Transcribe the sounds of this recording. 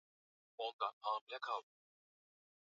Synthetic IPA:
onˠd̪anhaːmilʲɛkʰalˠd̪ɯm

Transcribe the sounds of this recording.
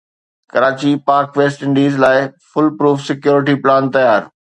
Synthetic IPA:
kɐɾaːt͡ɕipaːɾkʋeːsʈɪ̃ɳɖiːzlaːɪfʊlpɾuːfsɪkjoːɾɪʈ̬iplaːnt̪ɐjaːɾ

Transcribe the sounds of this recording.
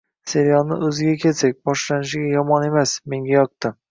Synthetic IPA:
seɾjɒlnɪ̰ɵzɪɡʲakʲʰelsak̚ʲbɒʃlanɪʃ̬ɪɡʲajɒmɒne̞masme̞ŋɡʲajɒq̚t̪ɪ

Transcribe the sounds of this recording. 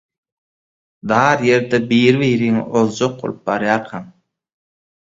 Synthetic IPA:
d̪ɑːɾje̞ɾd̪ebiːɾiβiːɾiːmḭʔolˠd͡ʒoq̚bo̰lˠup̚bɑɾjɑːqʰɑm

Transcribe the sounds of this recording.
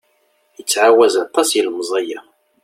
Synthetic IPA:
jət͡sːʕawæzɑt̪ˤːɑsilmzˤɑja

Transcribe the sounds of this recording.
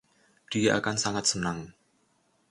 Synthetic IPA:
d̪̥iaa̰kansaŋat̪̚sənaŋ

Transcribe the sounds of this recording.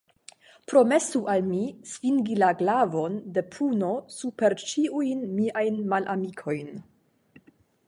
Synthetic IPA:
pɾo̞me̞suʔalmisviŋɡilaɡlavo̞nde̞pʰuno̞supe̞ɾt͡ʃiujnmiajnmalʔamikʰo̞jn

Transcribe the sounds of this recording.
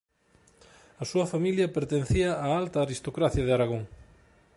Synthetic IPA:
ɐsuɐfamiljɐpeɾt̪enθiɐːalt̪ɐːɾist̪okɾaθjɐðɪaɾaɣ̞oŋ

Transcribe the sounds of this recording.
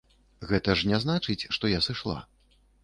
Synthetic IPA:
ɣɛt̪ɐʐnʲɛznat͡ʂɨt͡sʲʂt̪ɔjasɨʂlˠa̰

